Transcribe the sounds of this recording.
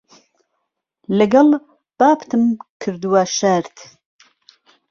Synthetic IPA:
lɨɡɐl | b̥aːpt̪ʰɨmkʰɨɾd̪uwaʃaɾt̪

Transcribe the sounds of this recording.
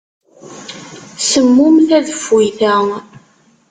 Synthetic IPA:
səmːʊmθæðəfːiθæ

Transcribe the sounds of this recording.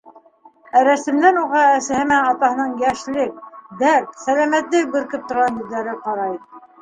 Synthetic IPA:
æɾæsɘ̆md̪ænuʁɑæsɘ̆hɘ̆mæɑt̪ɑhɤ̆nɤɴjæʃlɘk̚d̪æɾt̪sælæmæt̪lɘk̚bɘ̆ɾkɘp̚t̪ŏɾʁɑnjɵ̆ðːæɾɘqɑɾɑj

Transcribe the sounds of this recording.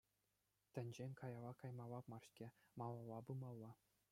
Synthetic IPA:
t̪ʲɘ̆nʲd͡ʑenʲkɑjɑlˠɑkɑjmɑlˠɑpmɑrɕkʲemɑlˠɑlˠːɑbɯmɑlˠːɑ

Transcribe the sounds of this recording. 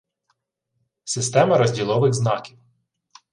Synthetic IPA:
sɪst̪ɛmɐɾɔzʲdʲilˠɔʋɪɣznɑkʲiw

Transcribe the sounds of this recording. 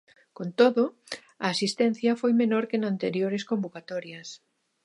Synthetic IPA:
kont̪oðo | aːsist̪ɛn̟θjɐfojmenoɾkenant̪eɾjoɾeskombokat̪ɔɾjɐs

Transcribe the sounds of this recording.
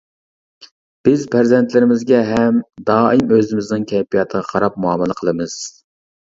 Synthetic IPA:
b̥ɪzpʰæɾzɛnt̪ʰlɪɾɪmɪzɡʲɛɦɛmd̪ɑːɨmøzɪmɪznɨŋkʲʰɛpijɑt̪ʰəʁɑqʰɑɾɑp̚muɑməlˠəqʰəlˠɨmɨz̥

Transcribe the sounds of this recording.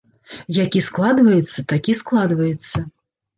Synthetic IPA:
jakʲisklˠad̪vɐjɛt̪sːɐt̪akʲisklˠad̪vɐjɛt̪sːɐ

